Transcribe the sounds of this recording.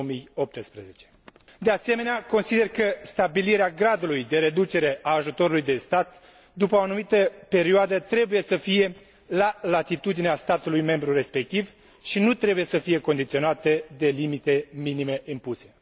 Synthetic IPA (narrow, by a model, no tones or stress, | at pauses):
mijo̞p̚t̪əspɾezet͡ʃe̞̥ | d̪ease̞me̞neako̞nsid̪e̞rkəst̪abiliɾeaɡɾad̪ulujd̪e̞ɾe̞d̪ut͡ʃe̞ɾe̞ʔaːʒut̪o̞ɾulujd̪e̞st̪at̪ | d̪upəoanumit̪əpe̞ɾioad̪ət̪ɾe̞buje̞səfije̞ | lalat̪it̪ud̪ineast̪at̪ulujme̞mbɾure̞spe̞k̚t̪iv | ʃinut̪ɾe̞buje̞səfije̞ko̞nd̪it̪sio̞nat̪əd̪e̞limit̪e̞minime̞ʔimpuse̞